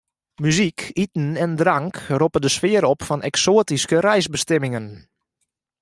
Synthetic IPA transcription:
myzikitn̩ɛndraŋkropədəsfɪəɾɔpfɔnɛ̰ksoːətiskəɾɛjsbəstɛmɪŋən

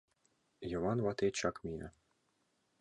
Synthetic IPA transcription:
jŏvɑnvɑt̪et͡ɕɑkmʲia̰

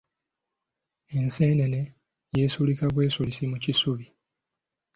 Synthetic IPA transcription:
e̞nse̞ːnene | jeːsulikaβwe̞ːsulisimucisuβi

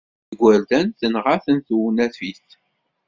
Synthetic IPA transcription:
əɡʷːæɾd̪ænθənʁaθənθuwnæθfiθ

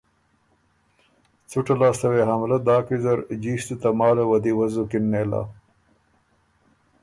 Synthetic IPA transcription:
t͡suʈalaːst̪ɐweɦamlad̪ɑːkizɐɾd͡ʒiːʃt̪ut̪ɐmɑːlawɐd̪iwɐzukɪnːeːla̰ː

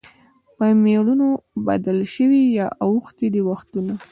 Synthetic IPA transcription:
pəmeɽunoba̰d̪alʃəwijɑʔawuxt̪id̪əwaxt̪una

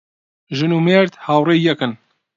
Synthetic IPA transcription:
ʒɨnuːmeɾt̪hawrejɛkɨn

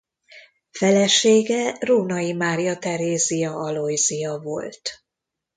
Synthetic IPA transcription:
fɛlɛʃeːɡɛroːnɒjimaːɾijɒt̪ɛɾeːzijɒɒlojzijɒvo̞̰lt̪

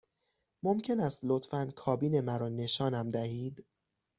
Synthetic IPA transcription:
momcʰe̞næst̪lot̪fænkʰɒːbiːne̞mæɾɒːne̞ʃɒːnæmd̪æhiːd̪

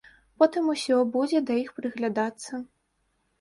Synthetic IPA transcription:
pɔt̪ɨmusʲɔbud͡zʲɛd̪ɐjixpɾɨɣlʲad̪at̪sːɐ

